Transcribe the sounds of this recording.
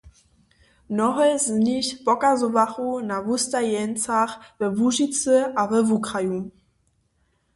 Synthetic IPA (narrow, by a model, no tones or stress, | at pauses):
nɔχəlzənɪçb̥ɔkazovaχunavustajɛnt͡saχvəvuʒit͡səavəvukʁaju